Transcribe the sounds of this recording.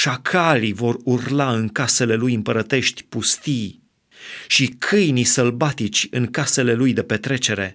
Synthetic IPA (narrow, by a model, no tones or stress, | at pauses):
ʃakʰalivo̞rurlaɨŋkase̞le̞lujɨmpəɾət̪e̞ʃt̪ʲpust̪ij | ʃikʰɨjnisəlbat̪it͡ʃʲɨŋkase̞le̞lujd̪e̞pe̞t̪ɾe̞t͡ʃe̞ɾe̞